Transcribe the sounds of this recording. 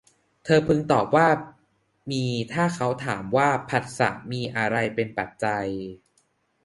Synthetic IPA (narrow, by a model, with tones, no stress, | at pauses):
t̪ʰɤː˧pʰɯ˧ŋt̪ɔː˨˩p̚waː˥˩ | miː˧t̪ʰaː˥˩kʰa˦˥wt̪ʰaː˩˦mwaː˥˩pʰa˨˩t̪̚sa̰˨˩˦miː˧ʔa˧ɾa˧jpe˧npa˨˩t̪̚t͡ɕa˧j